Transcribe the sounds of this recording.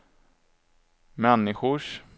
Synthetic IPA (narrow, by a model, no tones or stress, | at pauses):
mɛnːɪɧʊʂ